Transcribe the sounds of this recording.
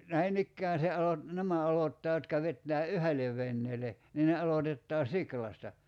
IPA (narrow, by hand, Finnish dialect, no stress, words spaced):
næinikːæːn̞ se ɑlot næmæ ɑlotːɑː jotkɑ ʋetːæː yhe̞leʋ ʋenːeːle niː ne ɑlotetːɑː siklɑstɑ